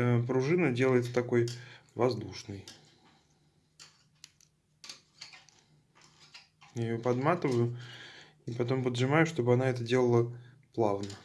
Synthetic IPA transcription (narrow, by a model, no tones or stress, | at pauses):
pɾʊʐɨnədʲe̞lˠəjɪt̪t̪ɐko̞jvɐzd̪uʂnɨj | jajopɐd̪mat̪ɨvəjʊ | ipɐt̪o̞mpəd̪ʐɨmajʊʂt̪o̞bɨɐnaɛt̪ədʲe̞lˠəlˠə | plˠavnə